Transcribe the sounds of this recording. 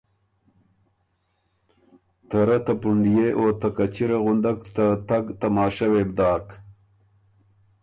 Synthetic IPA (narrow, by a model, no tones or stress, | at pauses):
t̪ɐɾɐt̪ɐpuɳɖijeʔoːt̪ɐkɐt͡ɕiɾeɣund̪akt̪at̪ɐɡt̪ɐmɑːʂawebd̪ɑːk